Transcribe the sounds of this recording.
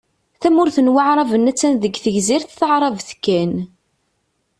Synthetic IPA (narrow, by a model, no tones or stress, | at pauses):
θæmʊɾθənwaʕɾˤɑvənæt͡sːænðəɡθəʝziɾθθəʕɾˤɑvθkːæn